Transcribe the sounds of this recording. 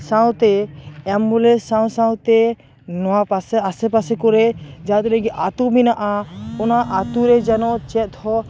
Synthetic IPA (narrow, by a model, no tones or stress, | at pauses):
sãw̃t̪ɛɛmbulɛsãw̃sãw̃t̪ɛ | nɔwapasɛasɛpasɛkɔɾɛd͡ʒaat̪ulɛɡiʔat̪uminaʔaɔnaʔat̪uɾɛd͡ʒanɔʔt͡ʃɛt̪hɔ